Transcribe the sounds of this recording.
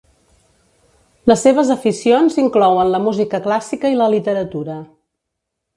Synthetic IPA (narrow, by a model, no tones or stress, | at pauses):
ləsːeβ̞əzəfisionziŋklɔwənləmuzikəklasikəiləlit̪əɾət̪uɾə